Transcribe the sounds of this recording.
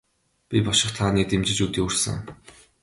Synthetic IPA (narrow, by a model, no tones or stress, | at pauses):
pʲipɔʃɪ̆χt̪ʰaːniːt̪emt͡ɕɪ̆t͡ɕut̪iːursɘ̰̆ŋ